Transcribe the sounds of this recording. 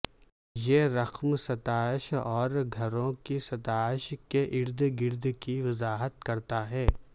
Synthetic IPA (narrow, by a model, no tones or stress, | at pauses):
jeɾɐqmsɐt̪aːɪʃɔːɾɡʱɐɾõkisɐt̪aːɪʃkeʔɪɾd̪ɡɪɾd̪kiʋɐzaːɦət̪̚kɐɾt̪aɦɛː